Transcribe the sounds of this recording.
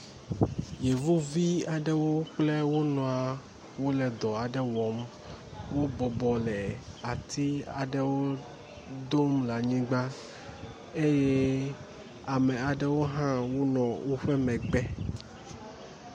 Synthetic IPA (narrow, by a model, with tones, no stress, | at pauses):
je˨vu˦vi˦a˨ɖɛ˦wo˦k͡plɛ˦wo˦nɔ̃˨a˨ | wo˦lɛ˨d̪ɔ˨a˨ɖɛ˦wɔ˨˦m | wo˦bɔ˨bɔ˨lɛ˨a˨t̪ʰi˦a˨ɖɛ˦wo˦ | d̪o˦mla˨ɲĩ˦ɡ͡ba˦ | e˦jɛ˦ | a˨mɛ̃˨a˨ɖɛ˦wo˦ɦã˦wo˦nɔ̃˨wo˦ɸɛ˦mɛ̃˨ɡ͡bɛ˦